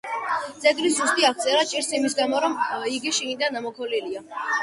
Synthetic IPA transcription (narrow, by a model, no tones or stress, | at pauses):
d̪zʼɛɡɾiszust̪ʼiakt̪sʼɛɾat͡ʃʼiɾsimisɡamɔɾɔmiɡiʃiɡid̪anamɔkʰɔlilia